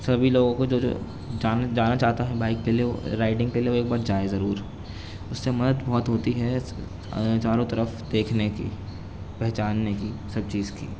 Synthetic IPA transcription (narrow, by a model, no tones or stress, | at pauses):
sɐbʱiloːɡõkod͡ʒoːd͡ʒo̰ː | d͡ʒaːnd͡ʒaːnat͡ʃaːɦt̪aɦɛbaːɪkːelieo̰ɾaːɪʈɪ̃ŋɡkelieʋoeːk̚baːɾd͡ʒaːezɐɾuːɾ | ʊsːemɐd̪əd̪bɔɦːɔt̪ɦoːt̪iɦɛ | t͡ʃaːɾõt̪ɐɾəfd̪eːkʰnekḭ | pɛɦt͡ʃaːnːekisɐb̚t͡ʃiːzkḭː